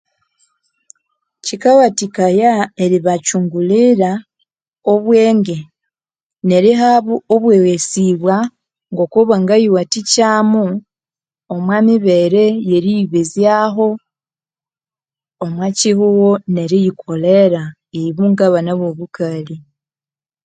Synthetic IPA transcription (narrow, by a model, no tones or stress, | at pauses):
cikawatikajae̞ɾiβat͡ʃuːŋɡuliɾa | oβweːŋɡe̞ | ne̞ɾiɦaβuoβwewesiβwa | ŋɡo̞kuβaŋɡajiwaticaːmu | omwamiβe̞ɾe̞je̞ɾiiβezjaɦo̞ | mwacihuwone̞ɾijikʰo̞le̞ɾa | eiβuŋɡaβanaβoβukali